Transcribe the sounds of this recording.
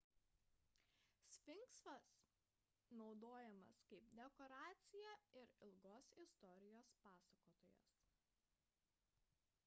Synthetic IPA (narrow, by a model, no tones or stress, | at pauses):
sʲfʲɪŋksʋɐs | nɒʊd̪oːjɛmɐ̰skɐɪpd̪ʲɛkɔɾɑːt̪sʲɪjɛɪɾɪlˠɡoːsɪst̪ɔɾʲɪjoːspɑːsɐkoːt̪oːjɛ̰s